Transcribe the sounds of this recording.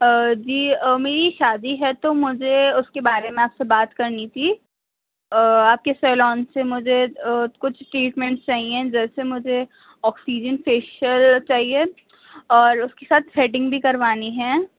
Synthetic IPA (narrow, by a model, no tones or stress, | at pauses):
d͡ʒiːmeːɾiʃaːd̪iɦɛt̪omʊd͡ʒʱeʊskebaːɾemẽaːpsebaːt̪kɐɾnit̪ʰi | aːp̚kesɛːlɔːnsemʊd͡ʒʱekʊt͡ʃʰʈɾiːʈmɛ̃ɳʈst͡ʃaːɦiẽd͡ʒɛːsemʊd͡ʒʱe | ɔːksiːd͡ʒənfeːʃəlt͡ʃaːɦie | ɔːɾʊskesaːt̪ʰsɛʈ̬ɪ̃ŋɡbʱikɐɾʋaːniɦɛː